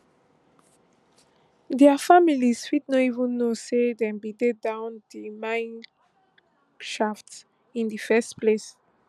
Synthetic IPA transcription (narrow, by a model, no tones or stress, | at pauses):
dɛafamiliswitnɔivə̃nːosedɛ̃mbidedãʊ̃ndimãɪ̃n | ʃafts | ĩndəfɛstpʰles